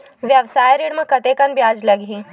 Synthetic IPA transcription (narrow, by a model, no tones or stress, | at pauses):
ʋjɐʋsaːjɾiːɽmə̃kɐt̪ekɐnbjaːd͡ʒlɐɡɦiː